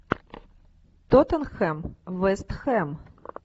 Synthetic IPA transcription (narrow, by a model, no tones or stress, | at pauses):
t̪ɔt̪ɐnxɛmʋɛst̪xɛm